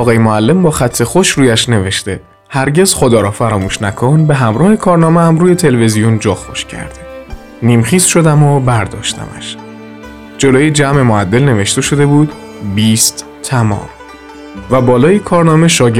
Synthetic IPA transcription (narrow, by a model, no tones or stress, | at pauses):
ɒːɣɒːjemoælːe̞mbɒːxæt̪ʰːe̞xoʃɾuːjæʃne̞ve̞ʃt̪e̞ | hæɾɟe̞z̥xod̪ɒːɾɒːfæɾɒːmuːʃnækʰo̞nbe̞ɦæmɾɒːhekʰɒːɾnɒːmeæmɾuːje̞t̪ʰe̞leve̞zijond͡ʒɒːxo̞ʃcʰæ̰ɾd̪̥e | niːmxiːsʃo̞d̪æmobæɾd̪ɒ̰ːʃt̪ʰæ̰mæ̰ʃ | d͡ʒo̞loːjid͡ʒæme̞moæd̪ːe̞lne̞ve̞ʃt̪e̞ʃo̞d̪e̞buːd̪ | biːst̪ | t̪ʰːæmɒ̰ːm | væbɒːlɒːjikʰɒːɾnɒːme̞ʃɒːɟe